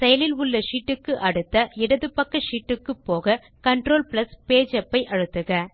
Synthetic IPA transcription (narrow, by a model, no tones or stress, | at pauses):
sɛjɐlɪlʊɭːɐʂiːʈːɯkːɯʔɐɽɯt̪ːɐɪɽɐðɯpːɐkːɐʂiːʈːɯkːɯpːoːɣɐ | kɐɳʈɾoːlpɪlɐspeːd͡ʒɛpːɐɪʔɐɻɯt̪ːɯɣɐ